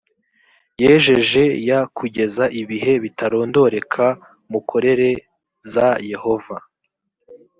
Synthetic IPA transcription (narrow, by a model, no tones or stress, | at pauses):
je̞ːʒe̞ʒe̞jakʰuɟe̞zaʔiβiɦe̞βitaɾo̞ːndo̞ɾe̞kʰa | mukʰo̞ɾe̞ɾe̞ | zaje̞ho̞va